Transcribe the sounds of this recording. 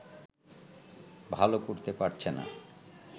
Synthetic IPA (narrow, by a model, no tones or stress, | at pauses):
bʱalokoɾt̪epaɾt͡ɕʰena̰